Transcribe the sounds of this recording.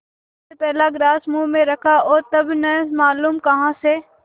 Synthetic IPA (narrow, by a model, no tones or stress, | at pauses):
sepɛːlaɡɾaːsmuːmẽɾɐkʰaoːɾt̪ɐbnɛmaːluːmkɐɦãse